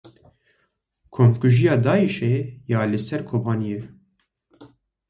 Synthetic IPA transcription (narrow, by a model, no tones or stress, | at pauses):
kʰomkuʒijɑːd̪ɑːiʃeːjɑːlɨsɛɾkʰoːbɑːnije